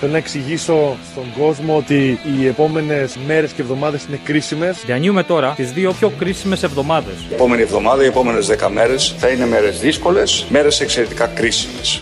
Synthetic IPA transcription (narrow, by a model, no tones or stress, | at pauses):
θelonɐeksiʝiso̞st̪o̞ŋɡo̞zmoot̪iːe̞po̞me̞ne̞sme̞ɾescevðo̞mɐðe̞sine̞kɾisime̞sðɐɲiume̞t̪o̞ɾɐt̪izðio̞pço̞kɾisime̞se̞vðo̞mɐðe̞sepo̞me̞nie̞vðo̞mɐðɐiepo̞me̞nezðekɐmeɾe̞sθɐinemeɾezðisko̞le̞sme̞ɾe̞sekse̞ɾet̪i̥kɐkɾisimes